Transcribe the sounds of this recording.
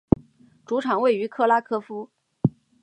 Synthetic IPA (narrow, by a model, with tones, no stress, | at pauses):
ʈ͡ʂu˧˥ʈ͡ʂʰɑ˨˩ŋwe˥˩ɪy˧˥kʰɤ˥la˥kʰɤ˥fu˥